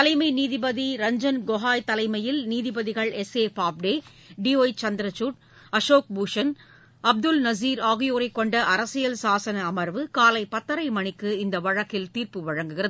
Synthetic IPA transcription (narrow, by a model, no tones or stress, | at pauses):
t̪ɐlɐɪmɐɪniːðɪbɐðiɾɐɲd͡ʒɐnɡoɦaːjt̪ɐlɐɪmɐjɪlniːðɪbɐðɪɣɐɭɛseːfaːp̚ɖeː | ɖioːjt͡ʃɐnd̪ɪɾɐt͡ʃːuːʈ̚ | ɐʂoːk̚buːʂɐn | ɐb̚d̪ɯlnɐziːɾaːɣɪjoːɾɐɪkːɔɳɖɐʔɐɾɐsɪjɐlsaːsɐnɐːmɐɾʋɯkaːlɐɪpɐt̪ːɐɾɐɪmɐɳɪkːɯɪnd̪ɐʋɐɻɐkːɪlt̪iːrpɯʋɐɻɐŋɡɯɣɪrɐð